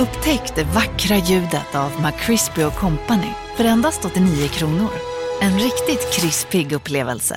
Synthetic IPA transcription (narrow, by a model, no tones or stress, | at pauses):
ɵpːt̪ʰɛkt̪əvakːɾajʉ̟ːd̪ət̪ʰavmakʰːɾɪspɪʊkʰɔmpanɪ̰ | fœɾɛnd̪ast̪ɔt̪ːɪniːʊkʰɾuːnʊɾɛnɾɪkt̪ɪt̪kʰɾɪspɪɡɵpːleːvə̰lsə̰